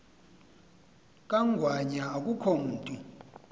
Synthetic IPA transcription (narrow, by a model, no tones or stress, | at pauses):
kʼaŋɡʱwaɲaːkʼukʰom̩ːtʼu